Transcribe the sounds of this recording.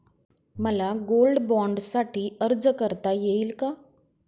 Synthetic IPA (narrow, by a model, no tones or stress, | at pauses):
məlaɡolɖbɔɳɖsaʈiːəɾd͡zkəɾt̪ajeiːlka